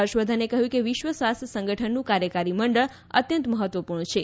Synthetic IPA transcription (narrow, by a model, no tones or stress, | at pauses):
əɾʃʋəd̪ʱanekəɦjũkeʋɪʃʋəsʋast̪sə̃ŋɡəʈʰənːũkaɾjəkaɾiməɳɖəɭ | ə̰t̪jə̃nt̪məɦət̪ʋəpuɾɳt͡ʃʰe